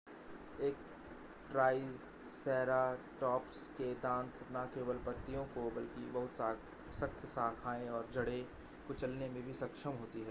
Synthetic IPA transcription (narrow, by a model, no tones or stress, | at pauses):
eːk̚ | ʈɾaːi | sɛːɾaʈɔːpsked̪ãːnt̪ʰnakeːwəlpət̪ːijõkobɐlkḭbɐɦʊt̪sa | sɐkt̪ʰsaːkʰaːẽɔːɾd͡ʒʱɐɽe | kʊt͡ʃəlnemẽbʱisɐkʃəmɦoːt̪iɦɛː